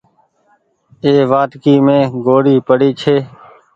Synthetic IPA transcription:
eːʋaːt̪kiːmẽːɡoːɽiːpəɽiːt͡ʃʰeː

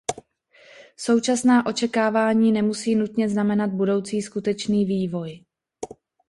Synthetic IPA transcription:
so̞wt͡ʃasnaːʔo̞t͡ʃɛkaːvaːɲiːnɛmusiːnut̪ɲɛznamɛnad̪̚budo̞wt͡siːskut̪ɛt͡ʃniːviːvo̞j

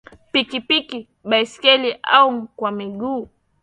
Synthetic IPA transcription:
pikipiki | bajskeliʔa̰uŋkwamɪɡuː

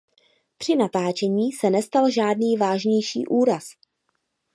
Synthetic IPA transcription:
pr̥ɪnat̪aːt͡ʃɛɲiːsɛnɛst̪alʒaːdniːvaːʒɲɛjʃḭːʔuːɾas

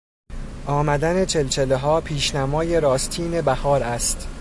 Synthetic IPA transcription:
ʔɒːmæd̪æne̞t͡ʃʰe̞lt͡ʃʰeleɦɒːpʰiːʃnæmɒːje̞ɾɒːst̪ʰiːne̞bæhɒːɾæst̪

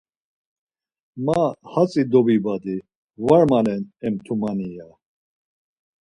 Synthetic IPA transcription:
mahat͡sʼid̪ɔbibad̪i | vaɾmalɛnɛmt̪ʰumanija

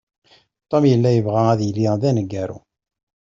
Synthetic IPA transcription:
t̪ˤːomjəlːæjəvʁææðjəlːiðænəɡːæɾṵ

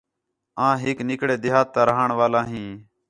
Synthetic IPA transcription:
ãːɦɪknɪkɽeːd̪ɪɦaːt̪ːaːɾəɦaɳʋaːlãːɦĩː

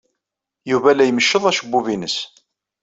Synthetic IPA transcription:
juvælæjəməʃːəðˤæʃəbːuvinəs

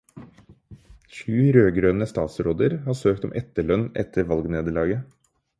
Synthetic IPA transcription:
çʉːɾøːɡɾøːnəst̪ɑːt̪sɾoːd̪əɾhɑːsøːkt̪ɔmʔɛt̪ːəɭœnɛ̰t̪ʰːəɾʋɑlɡneːd̪əɭɑːɡə

